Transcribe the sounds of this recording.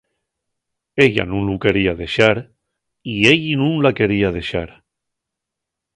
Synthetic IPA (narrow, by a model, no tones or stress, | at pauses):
eʎa̰nũnlukeɾiaðeʃaɾ | ieʎinũnlakeɾiað̞eʃaɾ